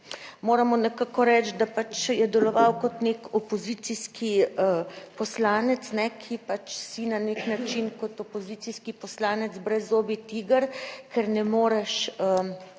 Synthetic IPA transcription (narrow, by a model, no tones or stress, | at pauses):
moːɾamɔnɛkaːkɔɾɛt͡ʃ̪d̪apat͡ʃjɛd̪ɛlɔʋawkɔt̪neːkɔpɔzit̪siskʰiəpɔslaːnɛt̪snɛkʰipat͡ʃsinaneknat͡ʃinkɔt̪ɔpoziːt̪siskipɔslaːnɛt̪zbɾɛzːoːbit̪iɡəɾkʰɛɾnɛmoːɾɛʃə